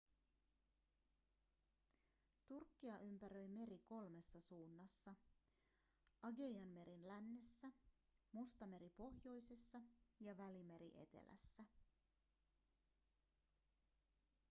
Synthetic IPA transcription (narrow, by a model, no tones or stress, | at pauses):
t̪urkːiɑʔympæɾø̞jme̞ɾiko̞lme̞sːɑsuːnːɑsːɑ | ɑɡe̞jɑnme̞ɾinlænːe̞sːæ | must̪ɑme̞ɾipo̞hjo̞jse̞sːɑjɑʋælime̞ɾḭʔe̞t̪e̞̰lʔæ̰sːæ